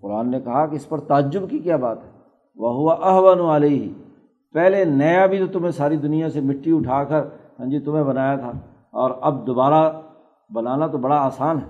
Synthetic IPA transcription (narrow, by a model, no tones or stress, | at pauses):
qʊɾaːnːekɐɦakeɪspəɾt̪aːd͡ʒʊbkikjaːbaːt̪ɦɛː | ʋɐɦʊʋaʔɐɦwənuəleːɦɪ | pɛːlenɐjabʱit̪ot̪ʊmɦẽsaːɾid̪ʊnijãsemɪʈːiʊʈʰaːkəɾsɐ̃nd͡ʒit̪ʊmẽbɐnaːjat̪ʰaː | ɔːɾɐbd̪oːbaːɾa | bɐnaːnat̪obɐɽaaːsaːnɦɛ